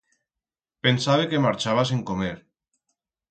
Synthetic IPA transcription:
pensaβekemaɾt͡ʃaβas̬eŋkomeɾ

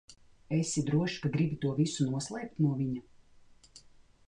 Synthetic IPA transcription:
esʲid̪ɾuɔʃi̥kaɡɾibʲit̪uɔvisunuɔslˠɛːp̚t̪nuɔvʲiɲa

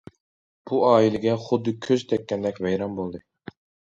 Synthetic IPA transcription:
b̥uɑːilɪɡʲɛχʊd̪ːɨkʲʰøzt̪ʰɛk̚ʲːɛnd̪ɛkʲvɛjɾɑmbolˠd̪ɨ

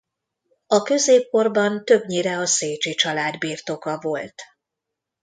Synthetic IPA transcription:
ɒkø̞zeːp̚ko̞rbɒnt̪ø̞bɲiɾɛɒseːt͡ʃit͡ʃɒlaːd̪biːrt̪o̞kɒvo̞lt̪

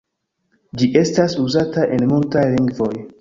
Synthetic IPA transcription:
d͡ʒiʔe̞stasuzataʔe̞nmultajliŋɡvo̞j

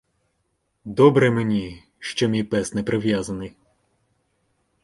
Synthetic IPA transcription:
d̪ɔbɾɛmenʲi | ʃt͡ʃɔmʲijpɛsnɛpɾɪʋjazɐnɪj

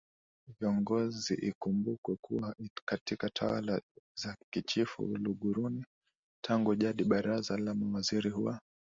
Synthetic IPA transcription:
viɔŋɡɔziʔikumbukwɛkuwakatikatʰawa̰lazakit͡ʃifṵluɠuɾuni | tʰaŋɡuʄaɗiɓaɾazalamawaziɾihuwa

